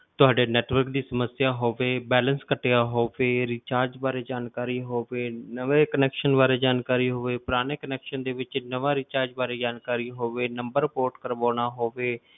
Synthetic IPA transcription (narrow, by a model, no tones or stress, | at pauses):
t̪ʊaːɖeːnɛːʈʋəɾkd̪iːsəməsɪjaːɦoːʋeːbɛːlənskəʈejaːɦoːʋeːɾiːt͡ʃaːɾd͡ʒbaːɾeːd͡ʒaːnkaːɾiːɦoːʋeːnəʋeːkənɛːkʃənbaːɾeːd͡ʒaːnkaːɾiːɦoːʋeːpʊɾaːɽ̃eːkənɛːkʃənd̪eːʋɪt͡ʃnəʋãːɾiːt͡ʃaːɾd͡ʒbaːɾeːd͡ʒaːnkaːɾiːɦoːʋeːnəmbəɾpoːɾʈkəɾʋãːɽ̃aːɦoːʋeː